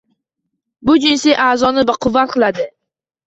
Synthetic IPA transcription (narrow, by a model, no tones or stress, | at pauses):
bʊd͡ʒɪnsɪjʔaːzɒnɪbaqʰʊvːat̪̚qʰɨlˠad̪ɪ